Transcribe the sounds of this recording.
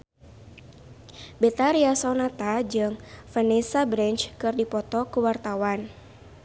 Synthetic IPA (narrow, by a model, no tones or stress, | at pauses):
bɛt̪aɾiasɔnat̪ad͡ʒɨŋfənɛsabɾɛnt͡ʃkɨrdipɔt̪ɔkəwart̪awan